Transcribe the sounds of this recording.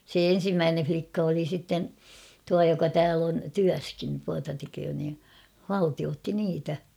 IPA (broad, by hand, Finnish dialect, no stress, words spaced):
se en̞simːæːnen̞ʲ flikːɑ oli sitːen tuɑ jokɑ tæːl on tyæskin tuɑtɑ tekøː niː hɑltioːtːi niːtæ